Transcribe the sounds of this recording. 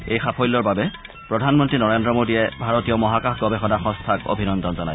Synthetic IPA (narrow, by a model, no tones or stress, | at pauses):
ejxapʰɔjlːɔɹbabɛ | pɹɔdʱanmɔntɹinɔɹendɹɔmodiɛbʱaɹotijɔmɔɦakaxɡɔbɛxɔnaxɔ̃stʰako̰bʱinɔndɔnzɔnaj